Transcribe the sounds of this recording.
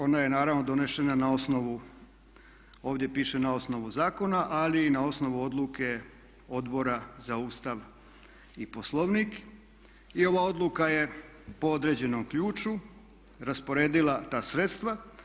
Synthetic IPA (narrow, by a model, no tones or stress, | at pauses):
o̞naje̞naːɾaʋno̞d̪o̞ne̞ʃenanao̞sno̞ʋu | o̞ːʋd̪je̞piːʃe̞nao̞sno̞ʋuzaːko̞naʔaliːnao̞sno̞ʋuo̞d̪lˠuke̞ | o̞d̪bo̞ɾazauːst̪aʋ | ipo̞slˠo̞ʋniːk | io̞ʋaːo̞d̪lukaje̞ | po̞o̞d̪ɾe̞d͡ʑe̞nomkʎuːt͡ʃu | ɾaspo̞ɾe̞ːd̪ilˠat̪aːsɾet̪st̪ʋa